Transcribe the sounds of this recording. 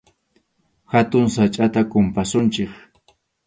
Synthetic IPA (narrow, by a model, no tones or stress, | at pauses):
hat̪ʊŋsat͡ʃʼat̪akʊmpasʊnt͡ʃɪk